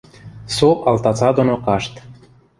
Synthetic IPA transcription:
soʔɑlt̪ɑt͡sɑd̪onokɑʃt̪

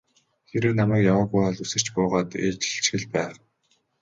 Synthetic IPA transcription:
xeɾɘ̆ːnamæːkjawaːɣujɔɮusɘ̆r̥t͡ɕpʊːʁaːt̪ḛːt͡ɕɪ̥̆ɬt͡ɕɡɘ̆ɮpæːw

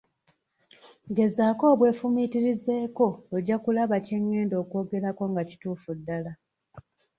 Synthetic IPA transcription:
ɡe̞zaːko̞ːβwe̞ːfumitiɾize̞ːko̞oɟːakulaβaceŋːe̞ːndo̞ːko̞ːɡe̞ɾako̞ŋɡaci̥tuːfudːala

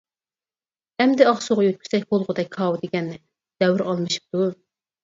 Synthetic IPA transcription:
hɛmd̪ɪɑχsoʁɑjøt̪̚kʲʰy̥sɛkʲbolˠʁʊd̪ɛk̚ʲʰɑwd̪eɡʲɛnːɪ | d̪̥ɛwɾɑlˠmɨʃi̥p̚t̪u

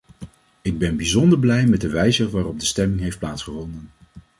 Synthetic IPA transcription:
ɪɡ̚bɛnbizɔndəɹblɛjmɛt̚dəʋɛjzəʋaːrɔb̚dəstɛmɪŋɦejft̚plaːtsχəvɔndən

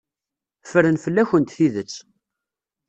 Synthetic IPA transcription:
fəɾənfəlːæçənt̪θiðət͡sː

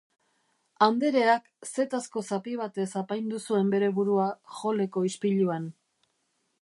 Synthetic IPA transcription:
and̪e̞ɾe̞ak | se̞t̪asko̞sapiβ̞at̪e̞sapajnd̪usue̞mbe̞ɾe̞βuɾuaʝo̞le̞ko̞ispiʎuan

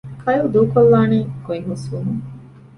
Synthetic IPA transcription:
kʰɐjud̪uːkolːaːneːkuiɦusʋumuŋ

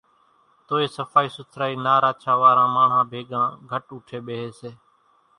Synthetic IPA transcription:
t̪oːeːsəfʰaːiːsʊt̪ʰɾaːiːnaːɾaːt͡ʃʰaːʋaːɾãːmaːɳ̤ɦãːbʱeːɡãːɡʱəʈuːʈʰeːɓeːɦeːseː

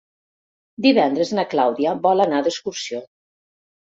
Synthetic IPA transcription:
d̪iβɛnd̪ɾəznaklawðiaβɔlanad̪əskuɾsio

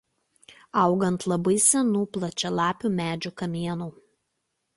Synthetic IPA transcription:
ɐˑʊɡɐnt̪lˠɐbɐɪsʲɛnuːplˠɐt͡ʃʲɛlˠɑːpʲuːmʲæːd͡ʒʲukɐmʲiɛnuː

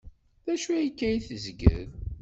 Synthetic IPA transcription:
ðæʃuæjikːæjiθəzɡə̰ð

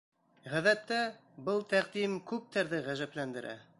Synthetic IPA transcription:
ʁæðæt̪ːæbɤlˠt̪æqd̪imkʉp̚t̪ʰæɾðɘʁæʒæplænd̪ɘ̆ɾʔæ̰

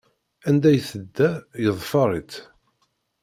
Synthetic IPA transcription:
ænd̪æjθəd̪ːæjəðˤfɑɾˤit̪

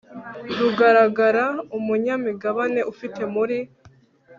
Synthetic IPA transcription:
ɾuɡaɾaɡaɾaumuɲamiɡaβane̞ʔufite̞muɾi

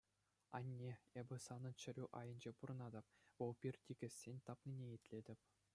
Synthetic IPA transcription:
ɑ̰nʲːeebʲɘ̆sɑnɤ̆nt͡ɕɘ̆ɾʲuʔɑjɤ̆nʲd͡ʑepuɾɤ̆nɑd̪ɤ̆p̚ʋɤlˠpʲirʲtʲiɡʲɘ̆sʲːenʲt̪ɑpnʲinʲejitʲlʲedʲɘ̆pʲ

